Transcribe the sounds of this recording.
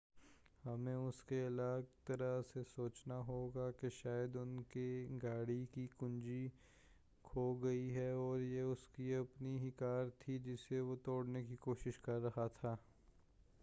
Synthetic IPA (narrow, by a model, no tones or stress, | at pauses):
hɐmẽʊskeɐlaːɡt̪ɐɾəɦsesoːt͡ʃnaɦoːɡakeʃaːjəd̪ʊnkeɡaːɽikikʊ̃nd͡ʒi | kʰoɡɐiɦɛɔːɾjeʊskiɐpniɦikaːɾt̪ʰid͡ʒɪseʋot̪oːɽnekikoːʃɪʃkɐɾːɐɦat̪ʰaː